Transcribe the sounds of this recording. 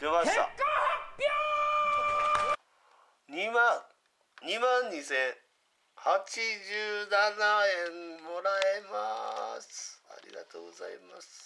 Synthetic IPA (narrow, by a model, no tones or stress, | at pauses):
t̪emaɕt̪a̰ | ɲimã | ɲimãɲ̟ɲisẽɰ | hat͡ɕid͡ʑɨːnanaẽmmoɾaemasɨ̥a̰ɾʲḭɡa̰t̪o̰ːɡoza̰ḭma̰sɨ̥